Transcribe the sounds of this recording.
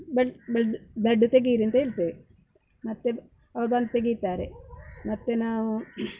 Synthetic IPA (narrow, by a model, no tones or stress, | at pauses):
beɖbeɖbeɖːut̪eɡiːɾint̪eilt̪e | mɐt̪ːe | ɐʋɐbɐnd̪t̪eɡit̪ːaːɾemɐt̪ːenaːʋu